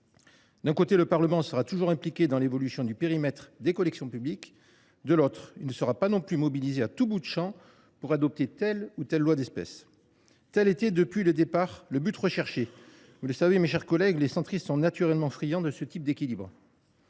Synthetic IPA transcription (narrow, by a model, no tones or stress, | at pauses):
d̪ɛ̃kot̪eləpaʁləmɑ̃səʁat̪uʒuʁɛ̃plikʲed̪ɑ̃levɔlysjɔ̃d̪ypeʁimɛt̪χd̪ekɔlɛksjɔ̃pyblik | d̪əlot̪χilnəsəʁapanɔ̃plymɔbilizeat̪ubud̪əʃɑ̃ | puʁad̪ɔp̚t̪et̪ɛlut̪ɛlːwad̪ɛspɛ̰s | t̪ɛlet̪ɛd̪əpɥiləd̪epaʁləbyt̪ʁəʃɛʁʃe | vuləsavemeʃɛʁkɔlɛɡlesɑ̃t̪χist̪sɔ̃nat̪yʁɛlmɑ̃fχijɑ̃d̪əsət̪ip̚d̪ekʲilibʁ